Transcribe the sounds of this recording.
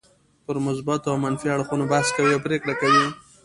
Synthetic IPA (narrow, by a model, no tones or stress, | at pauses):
pəɾmʊzbat̪oawmanfiaɽxunobaskawiawpɾekɽakawi